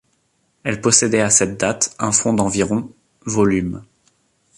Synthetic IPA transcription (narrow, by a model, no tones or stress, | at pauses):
ɛlpɔsɛd̪ɛasɛt̪̚d̪at̪ɛ̃fɔ̃d̪ɑ̃viʁɔ̃ | vɔlym